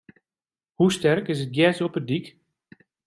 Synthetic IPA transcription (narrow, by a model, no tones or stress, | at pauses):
hustɛrkɪs̬ət̚ɡjɛsɔpədik